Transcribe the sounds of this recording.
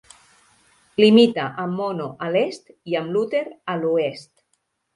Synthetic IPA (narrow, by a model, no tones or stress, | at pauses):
limit̪aʔəmːonoʔəlest̪iəmlut̪eɾəluest̪